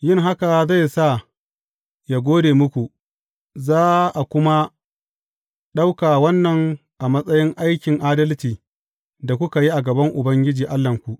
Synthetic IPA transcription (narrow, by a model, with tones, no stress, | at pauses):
jɪ˦ŋɦa˦ka˨za˦˨jsa˦˨ | ja˨ɡʷoː˦deː˨mʊ˦kʷu˨ | zaː˦ʔa˨kʷʊ˦ma˦ | ɗa˦wkaː˨wɐ˦nːɐ˨ŋʔa˨mɐ˦sʼɐ˦jɪ˦ŋʔa˦jkʲɪ˨ŋʔaː˦dɐ˦lt͡ʃiː˨ | da˨kʷʊ˦ka˨ji˦ʔa˨ɡɐ˨bɐ˦ŋʔʊ˨bɐ˦ŋɡʲɪ˦d͡ʒiː˨ʔa˦lːɐ˨ŋkʷu˨ʔ